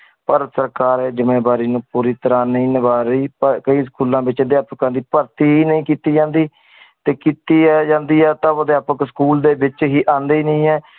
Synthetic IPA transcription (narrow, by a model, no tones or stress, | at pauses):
pəɾsəɾkaːɾɛːd͡ʒəmẽːbaːɾiːnũːpuːɾiːt̪əɾãːnəĩːnəbaːɾəiːpəɾkəiːskuːlãːbɪt͡ʃəd̪jaːpəkãːd̪iːpəɾt̪iːɦiːnəĩːkiːt̪iːd͡ʒãːnd̪iː | t̪eːkiːt̪iːd͡ʒãːnd̪iːɛːt̪ãːod̪jaːpəksə̥kuːld̪eːbɪt͡ʃɦiːʔãːnd̪eiːnəĩːɛː